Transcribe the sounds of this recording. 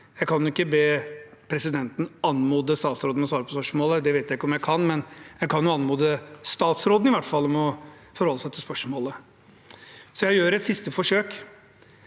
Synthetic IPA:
jæɪkʰɑnjʊɪkːəbeːpʰɾɛsɪd̪ɛnt̪n̩ɑnmuːd̪əst̪ɑːt̪sɾoːd̪nmɔsʋɑːɾəpʰɔspœʂmoːləd̪ɛʋeɪt̪jæɪɪkːəɔmjæɪkʰɑnmɛnjæɪkʰɑnjʊɑnmuːd̪əst̪ɑːt̪sɾoːd̪n̩ɪʋæʈːfɑlːɔmɔ | fɔɾhɔlːəsæɪt̪ʰɪlspœʂmoːlə | sɔjæɪjøːɾɛt̪sɪst̪əfɔʂøːk

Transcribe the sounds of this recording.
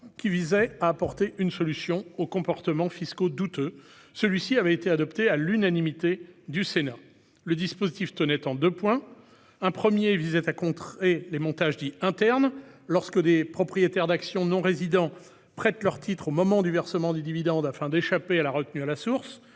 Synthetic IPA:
kʲivizɛaːpɔʁt̪eʔynsɔlysjɔ̃okɔ̃pɔʁt̪əmɑ̃fiskod̪ut̪ø | səlɥisiavɛet̪ead̪ɔpt̪ealynanimit̪ed̪ysena | ləd̪ispozit̪ift̪ənɛt̪ɑ̃d̪øpwɛ̃ | ɛ̃pχəmjevizɛt̪akɔ̃t̪χelemɔ̃t̪aʒd̪iɛ̃t̪ɛʁnlɔʁskəd̪epχɔpχijet̪ɛʁd̪aksjɔ̃nɔ̃ʁezid̪ɑ̃ | pχɛt̪lœʁt̪ʰit̪χomɔmɑ̃d̪yvɛʁsəmɑ̃d̪yd̪ivid̪ɑ̃d̪afɛ̃d̪eʃapealaʁət̪nyalasuʁs

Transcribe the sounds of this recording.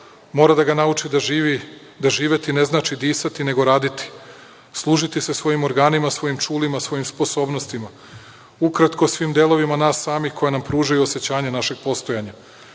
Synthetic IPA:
mo̞ːɾad̪aɡanaut͡ʃid̪aʒiʋi | d̪aʒiːʋe̞t̪ine̞znaːt͡ʃid̪iːsat̪ine̞ɡo̞ɾaːd̪it̪i̥ | slˠuːʒit̪isesʋo̞jimo̞ɾɡaːnimasʋo̞jimt͡ʃuːlimasʋo̞jimspo̞so̞ːbno̞st̪ima | ukɾat̪ko̞sʋiːmd̪e̞lo̞ʋimanaːsːaːmixkʰo̞jenampɾuːʒajuo̞se̞t͡ɕaːɲenaʃe̞ɡ̚po̞st̪o̞jaɲa

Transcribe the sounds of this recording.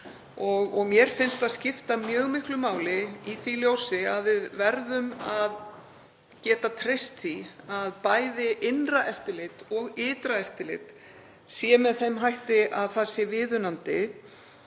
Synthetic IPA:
ɔɣɔɣmjɛɾ̥fɪnst̪aðscɪft̪amjœːɣmɪhklʏmaːwlɪiθiljowsɪaðvɪðvɛɾðʏmað | cɛːt̪at̪ʰɾejst̪θiaðpaːjðɪʔɪnraʔɛft̪ɪlɪt̪ɔɣɪːt̪ɾaɛft̪ɪlɪ̰t̪ | sɛmɛðθɛmɦajht̪ɪʔaðθaðsɛvɪːðʏnant̪ɪ

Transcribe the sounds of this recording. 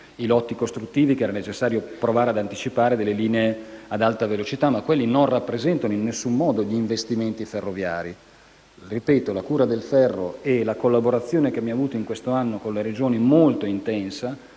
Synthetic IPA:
ilɔt̪ːikost̪ɾut̪ːiːvikeɛːɾanet͡ʃesːaːɾjopɾovaːɾead̪ant̪it͡ʃipaːɾed̪elːeliːneead̪alt̪avelot͡ʃit̪amːakwelːinonrapːɾezɛnt̪anoinːesːumːɔːd̪oʎiːɱvest̪iment̪iferːovjaːɾi | ripɛːt̪olakuːɾad̪elfɛrːoelakolːaboɾat̪sːjoːnek̟emːiavuːt̪oiŋkwest̪oanːokonleɾed͡ʒoːnimolt̪oint̪ɛnsa

